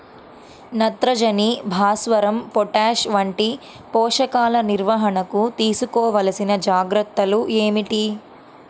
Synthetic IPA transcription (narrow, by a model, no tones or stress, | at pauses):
nɐt̪ɾɐd͡ʒɐnibʱaːsʋɐɾɐmpɔʈaːʂʋɐɳʈi | pɔːʂɐkaːlɐniɾʋɐɦɐɳɐkut̪iːsukɔːʋɐlɐsinɐd͡ʒaːɡɾɐt̪ːɐluʔeːmiʈi